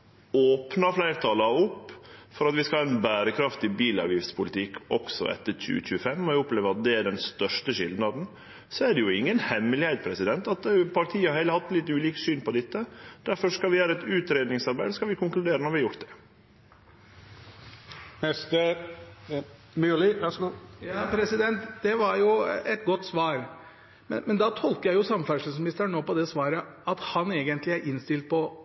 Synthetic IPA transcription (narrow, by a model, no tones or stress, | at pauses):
oːpnɑflæɪɾt̪ʰɑlɑʊpːfɔɾɑt̪ʋɪskɑlɑːɛnbæːɾəkʰɾɑft̪ɪbiːlɑ̰ɾʋjɪfspʰʊlɪt̪ʰɪkːɔksɔ̰ɛ̰t̪ːəɾc͡çʉ̰ːəc͡çʉːəfɛmːɔæʊpleːʋəɾɑt̪̚d̪ɛæɖɛnst̪œʂʈəʃɪld̪nɑd̪n̩ | sɔæɖɛjʊɪŋːənhɛmːəlɪhɛɪpʰɾɛsɪd̪ɛnt̪ɑt̪pʰɑɾʈʰiːəhɑɾheːləhɑt̪ːlɪt̪ːʉːliːksyːnpɔd̪ɪt̪ːəd̪̥æɾfɔʂkɑlʋɪjæːɾəɛt̪ʉːt̪ɾeːd̪nɪŋsɑɾbæɪd̪skɑlʋɪkʰʊŋklʉd̪eːɾənɔɾʋɪhɑjʊɾʈt̪̚d̪ɛ̥ | nɛst̪ə | mylɪʋɛsjɑːpʰɾɛsɪd̪ɛnt̪d̪ɛʋɑɾjʊɛt̪̚ɡɔt̪ːsʋɑːɾ | mɛ̰mɛnd̪ɑt̪ʰɔlk̪əjæɪjʊsɑmfæʂəsmɪnɪst̪əɾɳoːpɔd̪ɛsʋɑːɾəɑt̪hɑneːɡənt̪lɪæɾʔɪnst̪ɪlt̪̚pʰɔ